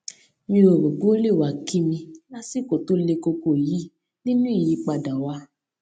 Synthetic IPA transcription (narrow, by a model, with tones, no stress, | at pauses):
mĩ˧ɾo˨bo˨ɡo˦le˦˨wa˨ki˦mĩ˧la˦si˦˨ko˨to˦le˧ko˧ko˦˨ji˨˦ | nĩ˦nũ˦i˦˨ji˨˧˦k͡pa˧˨da˨wa˧